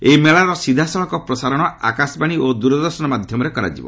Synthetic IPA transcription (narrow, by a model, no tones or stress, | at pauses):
emeɭaɾɔsid̪ʱasɔɭɔŋkɔpɾɔsaɾɔɽ̃ɔa̰kasbaɽ̃iod̪uɾɔd̪ɔɾsɔnɔmad̪ʱjɔmɔɾekɔɾa̰d͡ʒḭbɔ̰